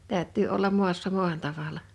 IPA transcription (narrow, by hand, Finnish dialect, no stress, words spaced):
tæˑø̝tːyː olːɑm mu̞ɑsːɑ muɑn tɑʋɑlːɑ